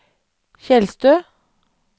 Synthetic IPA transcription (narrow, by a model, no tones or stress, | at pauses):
çɛlst̪øː